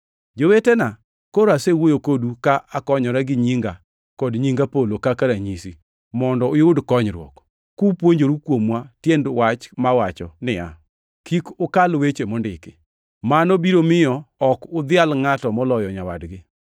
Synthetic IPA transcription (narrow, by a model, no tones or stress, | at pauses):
d͡ʒowetena | koɾasewojokodukaʔakɔɲɔɾaɡɪɲiŋɡa | kɔdɲiŋɡapolokakaɾaɲisi | mɔndɔɪʊdkɔɲɾwɔ̰k | kupwoɲd͡ʒoɾukwomwatjendwat͡ʃmawat͡ʃɔnɪa̰ | kikʊkalwet͡ʃemɔndɪkɪ̰ | manobiɾomɪjɔɔkʊd̪ɪalŋatɔmɔlɔjɔɲawadɡɪ